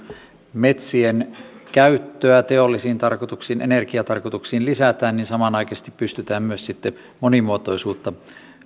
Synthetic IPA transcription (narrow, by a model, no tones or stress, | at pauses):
met̪sienkæyt̪ːøæt̪eolːisiːnt̪ɑrkot̪uksiːnʔḛnerkiɑt̪ɑrkot̪uksiːnlisæt̪æːnninsɑmɑnɑˑikɑse̥st̪ippyst̪yt̪æːmmyøssit̪ːe | monimuot̪oisuːt̪ːɑ